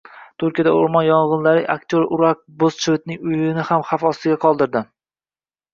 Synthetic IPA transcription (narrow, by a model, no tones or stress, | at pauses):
t̪ʰʊɾkʲijad̪aʊ̰ɾmɒnjɒɴʁɨnlaɾɪʔa̰k̚ʲt̪ʰjoɾʊɾak̚bost͡ʃʰɪvɪt̪̚nɪŋʊjɪnɪhamχafɒst̪ɪɡʲaqʰɒlˠd̪ɪɾd̪ɪ